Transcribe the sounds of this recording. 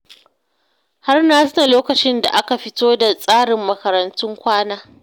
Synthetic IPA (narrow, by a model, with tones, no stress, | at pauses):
ha˦rnaː˦sʊ˦na˨loː˦kɐ˨t͡ʃɪ˦nda̰˨ʔa˦ka˨ɸɪ˦toː˦da˨sʼaː˦ɽɪ˨mːɐ˦kɐ˨ɾɐ˨ntʊ˦ŋkʷaː˦naː˦